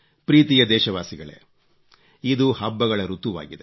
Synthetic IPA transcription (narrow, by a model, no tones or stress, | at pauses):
pɾiːt̪ijɐd̪ɛːʃɐʋaːsiɡɐɭḛ | id̪uhɐbːɐɡɐɭɐɾut̪uʋa̰ːɡid̪e